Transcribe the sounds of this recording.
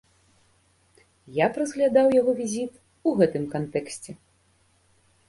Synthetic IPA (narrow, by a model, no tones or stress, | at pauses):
japɾɐzɣlʲad̪awjaɣɔvʲizʲit̪ | uɣɛt̪ɨmkant̪ɛksʲt͡sʲɛ